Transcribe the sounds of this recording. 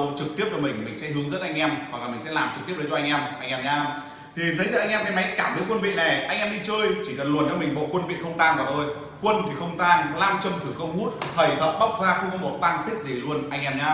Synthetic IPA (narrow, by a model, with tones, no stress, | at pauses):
t͡ɕɨ˨˩k̚t̪i˦˥əp̚t͡ɕɔ˧mï˨˩ŋ̟mï̟˨˩sɛ̰˧˥ɦɨ˨˦əŋzə˦˥t̚ʔa˧jŋ̟ʔɛ˧mwa˨˩k̚la˨˩mï˨˩ŋ̟sɛ̰˧˥laː˨˩mt͡ɕɨ˨˩k̚t̪i˦˥əzt͡ɕɔ˧ŋ̟ʔɛ˧mʔa˧jŋʔɛ˧mɲaː˧m | t̪ʰi˨˩zə˨˦jzə̰˧˨a˧jŋʔɛː˧mŋkaː˨˦jma˨˦jkaː˧˩mɓi˨˦ənkwə˧nvḭ˧˨na˨˩ʔa˧jŋ̟ʔɛ˧mɗi˧t͡ɕəː˧jt͡ɕi˧˩kə˨˩nlnt͡ɕɔ˧mï˨˩ŋ̟ɓo̰˧˨kwə˧nvḭ˧˨nxə˧wŋ͡mt̪aː˧ŋkaː˨˩ʔə˧j | kwə˧nt̪ʰi˨˩xə˧wŋ͡mt̪aː˧ŋlaː˧mt͡ɕə˧˩mt̪ʰɨ˨˩xə˧wŋ͡mhu˦˥t̚t̪ʰə˧˩jt̪ʰə̰˧˨˩ɓa˦˥wk͡p̚zaː˧xə˧kɔ˨˦mo˨˩t̚t̪aː˧nt̪i˦˥ək̚zi˨˩lu˧ənʔa˧jŋ̟ʔɛ˧mɲaː˧